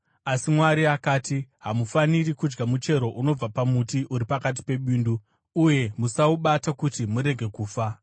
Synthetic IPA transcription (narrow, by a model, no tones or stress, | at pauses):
asimwaɾiakaːtiɦamufanirikud͡ʒɡamut͡ʃe̞ɾo̞ʔuno̞b͡vapamutiʔuɾipakat̬i̥pe̞ɓiːnduː | je̞musauɓatakutimuɾe̞ɡʱe̞kuːfa